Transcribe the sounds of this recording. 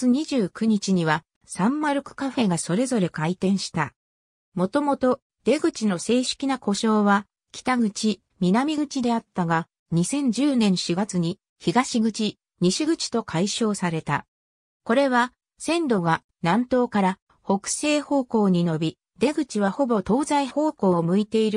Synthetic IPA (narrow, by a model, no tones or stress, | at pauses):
t͡sɨɲ̟iʑɨːkɯ̟ɲ̟it͡ɕiɲ̟iβa | sãmːaɾɯ̟kɯ̟̥kaɸe̞ɡaso̞ɾe̞zo̞ɾe̞kait̪ẽ̞ɰ̃ɕi̥t̪a | mo̞t̪o̞mo̞t̪o̞ | d̪̥e̞ɡɯ̟t͡ɕino̞se̞ːɕɨ̥kʲinako̞ɕo̞ːβa | kʲi̥t̪aɡɯ̟t͡ɕi | mʲinamʲiɡɯ̟t͡ɕid̪e̞at̪ːaɡa | ɲ̟isẽ̞ɲ̟d͡ʑɨːnẽ̞ɰ̃ɕiɡat͡sɨɲ̟i | çiɡaɕiɡɯ̟t͡ɕi | ɲ̟iɕiɡɯ̟t͡ɕi̥t̪o̞kʰaiɕo̞ːsaɾe̞t̪a̰ | ko̞ɾe̞βa | sẽ̞nd̪o̞ɡa | nãnt̪o̞ːkaɾa | ho̞kɯ̟̥se̞ːho̞ːko̞ːɲ̟ino̞bʲi | d̪̥e̞ɡɯ̟t͡ɕiβaho̞bo̞t̪o̞ːzaiho̞ːko̞ːmɯ̟it̪e̞iɾɯ̟